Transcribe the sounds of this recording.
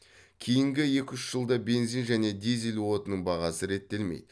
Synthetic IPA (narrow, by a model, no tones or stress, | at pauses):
kʲʰejɪŋɡʲɪje̞kʲʏʃʒ̥əlˠd̪əbe̞nzijnʒæne̞d̪ijzilʲwo̞t̪ənəɴbɑʁɑsəɾe̞t̪ːe̞lmḛjd̪ɪ